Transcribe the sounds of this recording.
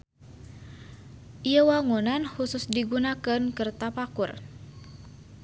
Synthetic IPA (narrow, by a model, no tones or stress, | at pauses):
ʔiəwaŋunanhusʊsdiɡunakənkərt̪apakʊr